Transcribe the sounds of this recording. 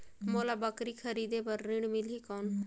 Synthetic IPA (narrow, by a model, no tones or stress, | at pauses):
moːlabəkɾikʰəɾiːd̪epɐɾːɪ̃ɽmɪlikɔːn